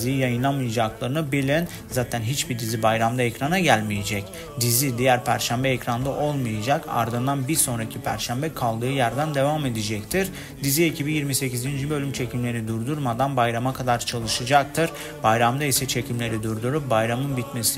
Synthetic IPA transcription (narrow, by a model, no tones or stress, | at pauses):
zijijajɯnlˠanmɯjad͡ʒaklˠaɾɯnɯbelʲɛn | zaːt̪ʰænɦit͡ʃbid̪izibajɾamd̪aɛcɾanaɟælʲmije̞d͡ʒɛc | d̪izid̪ijæɾpʰæɾʃæmbɛɛcɾand̪aʔo̞lˠmɯjad͡ʒaka̰ɾd̪ɯnd̪anbiɾso̞nɾacʰipʰæ̰ɾʃæmbɛkʰalˠd̪ɯːjæɾd̪ænd̪e̞vame̞d̪id͡ʒɛct̪ʰiɾ | d̪izie̞cʰibijiɾmise̞cizind͡ʒybø̞lʲymt͡ʃʰecʰimlʲe̞ɾid̪uɾd̪uɾmad̪anbajɾamakʰad̪aɾt͡ʃʰalˠɯʃɯd͡ʒak̚t̪ʰɯɾ | bajɾamd̪aisɛt͡ʃʰe̞cʰimlʲe̞ɾid̪uɾd̪uɾup̚bajɾamɯnbit̪mesi